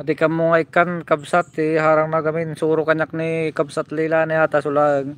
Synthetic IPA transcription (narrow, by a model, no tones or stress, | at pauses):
d̪ɪkɐmʊŋaɪkankabsat̪ɛɦaːɾɐŋnaɡɐmɪnsuːɾʊkɐɲak̚nikabsat̪lilanɪat̪asʊlaŋ